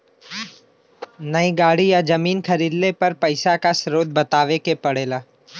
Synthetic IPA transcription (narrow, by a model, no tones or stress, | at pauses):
nɐiɡaːɽijad͡ʒɐmiːnkʰɐɾiːd̪lepɐɾpɐɪsakasɾoːd̪̚bɐt̪aːʋekepɐɽ̤eːlaː